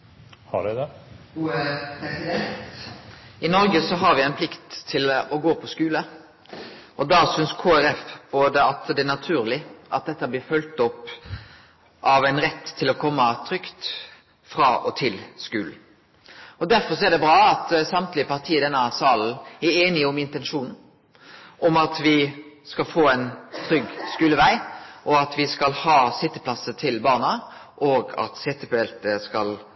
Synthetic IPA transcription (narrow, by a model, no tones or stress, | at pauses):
hɑ̰ɖɛd̪ɛ | ɛ | ɪnɔɾɡəsɔɦɑɾʋɪɛɪnpʰlɪkt̪ʰːɪlɔɡoːpʰɔskʉːlə | ʔɔd̪ɑsʏnskʰoːæɾɛfb̥oːd̪əɑt̪d̪ɛæʁnɑt̪ʰʉːɾlɪʔɑ̰t̪̚d̪ɛt̪ːəblɪːɾfœlt̪ɔp | ʔɑʋæɪnɾɛt̪ʰːɪlɔkʰɔmːət̪ʰɾʏkt̪ | fɾɑːʔɔt̪ʰɪlskʉːl̩ | ɔd̪æɾfɔsɔɛd̪ɛbɾɑːɑt̪sɑmt̪lɪəpɑʁt̪ʰiːəd̪ɛnːɑsɑːln̩æɾeːnɪɔmɪnt̪ɛnʂuːnn̩ | ʔɔmɑt̪ʋɪskɑlfoːæɪnt̪ʰɾʏɡːskʉːləʋæɪʔɔɑt̪ʋɪskɑlhɑːsɪt̪ːəpʰlɑsət̪ʰɪlbɑːʁnɑʔoːɡɑ̰t̪sɪt̪ːəpøɛlt̪əskɑl